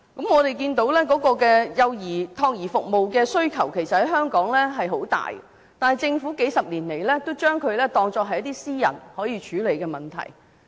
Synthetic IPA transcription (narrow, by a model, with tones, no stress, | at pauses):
kɐ˨˥mŋɔː˨˧t̪e˨jkiː˧nt̪o˨˥wlɛː˥kɔː˨˥kɔː˧kɛː˧jɐ˨˧wjiː˨˩t̪ʰɔː˧k̚jiː˨˩fʊ˨k̚mo˨wkɛː˧sɵ˥ɥkʰɐ˨˩wkʰe˨˩jsɐ˨t̚hɐ˨˥jhœː˥ŋkɔː˨˥ŋlɛː˥ɦɐ˨jɦo˨˥wt̪a̰ː˨j̰ | t̪aː˨nhɐ˨jt͡sɪ˧ŋfuː˨˥ke˨˥jsɐ˨p̚liː˨˩nle˨˩jlɛː˥t̪o˥wt͡ʃœː˥ŋkʰɵ˨˧ɥlɛː˥t̪ɔː˧ŋt͡sɔː˧kɦɐ˨jɐ˥t̪iː˥siː˥jɐ̰˨˩nhɔː˨˥jiː˨˧t͡ʃʰyː˨˥le˨jkɛː˧mɐ˨nt̪ʰɐ̰˨˩j